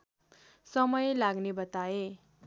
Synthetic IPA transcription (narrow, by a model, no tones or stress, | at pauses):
sʌmʌjlaɡnebʌt̪ae